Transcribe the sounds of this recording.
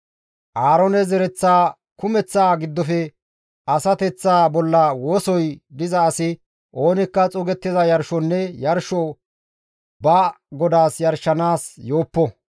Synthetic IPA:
ʔaːɾɔnɛzɛɾɛt͡sːaː | kʊmɛt͡sːaːɡɪd̪ːɔfɛ | ʔɐsɐt̪ɛt͡sːaːbɔlːɐwo̞ːsɔjd̪ɪzɐːsɪ | ʔo̞ːnɪkːɐt͡sʼɔɡɛt̪ːɪzɐjɐɾʃɔnːɛjɐɾʃɔ | bɐ | ɡɔd̪aːsjɐɾʃɐnaːsjo̞ːpːɔ

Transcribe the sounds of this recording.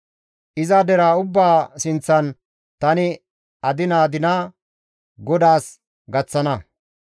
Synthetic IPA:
ʔɪzad̪ɛɾaːʊbːaːsɪnt͡sːɐn | t̪ɐnɪ | ɐd̪ɪnaːd̪ɪna | ɡɔd̪aːs | ɡɐt͡sːɐnɐ

